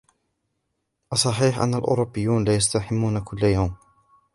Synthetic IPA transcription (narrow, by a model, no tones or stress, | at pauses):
ʔɑsˤːɑħiːħʔa̰nːalʔʊ̰ːɾʊbːɪjːuːnlaːjast̪aħɪmːuːnakʊlːajawm